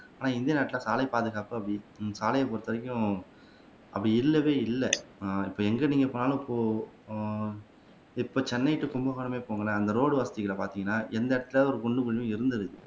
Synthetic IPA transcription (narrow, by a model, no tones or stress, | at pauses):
aːnaːɪnd̪ɐnaːʈːɪlaːsaːlɐɪpaːðɯɣaːpɯɐpɐɽisaːlɐjɐpoːɾt̪ɐʋɐɾɪkʲːʊ̃ | ɐpːɐɽiɪlːɐʋeːɪlːɛɪpːoːɛŋɡɐniːŋɡɐpːoːnaːlʊ̃ɪpːoː | ɪpːoːt͡ʃɛnːɐɪʈːɯkʊmbɐɣɐːɳɐmeːpoːŋɡɐɭɐːnd̪ɐɾoːɽɯʋɐsɐt̪ɪɣɐɭɐpaːɾt̪iːŋɡɐnːaːʔɛnd̪ɐɪɽɐt̪ːɪlɐɔɾɯkʊɳɖɯkʊɻɪjʊ̃ɪɾɯnd̪ɐðɯɯ